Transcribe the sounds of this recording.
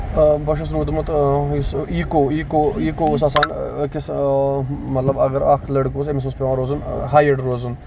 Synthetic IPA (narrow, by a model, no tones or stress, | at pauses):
bɐʃ̬ɐs̬ɾuːd̪umɐt̪isiːkoikoiːkoːs̬ɐsaːnkis | mɐt̪lɐbɐɡɐɾɐkʰlɐɽkoːs̬emis̬mɐspʲeʋãːɾoːzɨnɦaːjeɖɾoːzun